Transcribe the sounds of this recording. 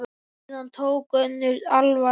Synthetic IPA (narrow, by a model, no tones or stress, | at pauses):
nant̪ʰowkœnːʏɾalva